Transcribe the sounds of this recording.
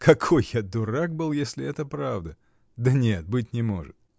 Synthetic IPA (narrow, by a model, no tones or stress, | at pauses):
kʰɐkʰo̞jːad̪ʊɾak̚bɨlˠjesʲlʲɪɛt̪əpɾavd̪ə | d̪ənʲet̪̚bɨt̬̚ʲnʲɪmo̞̰ʐɨ̰t̪̚